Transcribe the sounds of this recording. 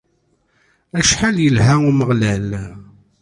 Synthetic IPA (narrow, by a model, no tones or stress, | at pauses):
æʃħaljəlɦæʊməʁlæl